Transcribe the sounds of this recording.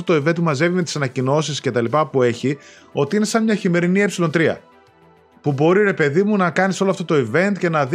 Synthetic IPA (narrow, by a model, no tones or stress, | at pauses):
ot̪o̞ive̞nt̪̚pumɐze̞vime̞t̪i̥sɐnɐcino̞sisce̞t̪ɐlipɐpue̞çi | o̞t̪iine̞sɐmɲɐçime̞ɾinie̞psilo̞nt̪ɾiɐ̰ | pubo̞ɾiɾe̞pe̞ðimunɐkɐniso̞loɐft̪ot̪o̞ive̞nt̪ce̞nɐð